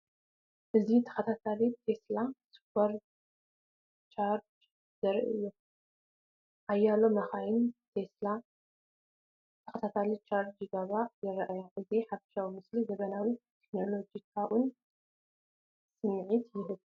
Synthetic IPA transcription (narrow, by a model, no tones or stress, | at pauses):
ʔɨzit̪ʰɐ̥xɐt̪ʰat̪ʰalit̪ʰe̞slaspɐɾ | t͡ʃʰaɾd͡ʒ | zɐɾʔɨ̰jːu | ʔajːalomɐxajɪnt̪ʰesla | t̪ʰɐ̥xɐt̪ʰat̪ʰalit͡ʃʰaɾd͡ʒd͡ʒɨɡaβajɛɾɐʔajaʔɨziħafʃawimɨslizɐβɐnawit̪ʰekno̞lo̞d͡ʒikʰawʔʊn | sɨmʕit̪jɪɦɨβ